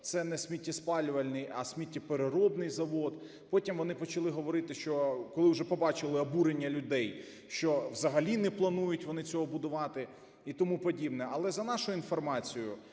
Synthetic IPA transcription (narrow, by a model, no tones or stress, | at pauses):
t̪sɛnɛsʲmʲitʲːispɑlʲʊʋɐlʲnɪjɐsʲmʲitʲːipeɾeɾɔbnɪjzɐʋɔd̪ | pɔtʲimʋɔnɪpɔt͡ʃɐlˠɪɦɔʋɔɾɪt̪ɪʃt͡ʃɔkɔlˠɪwʒɛpɔbɑt͡ʃɪlˠɪɔbuɾenʲːɐlʲʊd̪ɛj | ʃt͡ʃɔʋzɐɦɐlʲinɛplˠɐnujʊtʲʋɔnɪt͡sʲɔɦɔbʊd̪ʊʋɑt̪ɪ | it̪ɔmupɔdʲibnɛɐlˠɛzɐnɑʃʊinfɔrmɑt͡sʲijʊ